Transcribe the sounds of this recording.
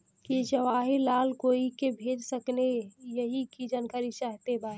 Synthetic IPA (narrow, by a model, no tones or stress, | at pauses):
kid͡ʒəʋaːɦilalkoikebʱed͡ʒsəknejəɦikid͡ʒənkəɾit͡ʃaɦt̪eba